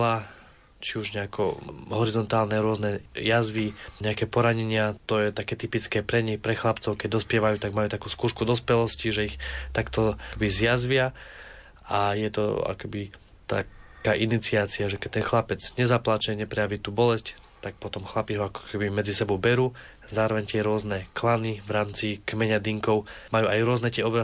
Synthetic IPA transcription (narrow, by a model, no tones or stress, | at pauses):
la | t͡ʃiuʒɲɛakɔɦɔɾizɔnt̪aːlnɛɾʊɔznɛjazʋiɲɛakɛːpɔɾaɲɛɲɪat̪ɔjɛt̪akɛːt̪ipit͡skɛːpɾɛɲixpɾɛxlapt͡sɔʊkɛɟd̪ɔspɪɛʋajuːt̪aɡmajuːt̪akuːskuːʃkud̪ɔspɛlɔsciʒɛixt̪akt̪ɔɛbizjazʋɪa | ajɛt̪ɔ̰a̰kɛbi | t̪a̰kaːʔinit͡siaːt͡siaʒɛkɛt̪ɛnxlapɛd͡zɲɛzaplat͡ʃɛɲɛpɾɛjaʋiːt̪uːbɔlɛsc | t̪ak̚pɔt̪ɔmxlapiɦɔakɔ̥kʰɛbimɛd͡zisɛbɔʊbɛɾuː | zaːɾɔʋɛɲt̪ɪɛɾʊɔznɛklanivɾaːmt͡sikmɛɲad̪iŋkɔʊmajuːajɾʊɔznɛt̪ɪɛɔbɾa